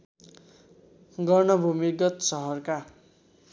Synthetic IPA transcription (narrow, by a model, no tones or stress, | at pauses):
ɡʌrnʌbʱumiɡʌt̪sʌɦʌrka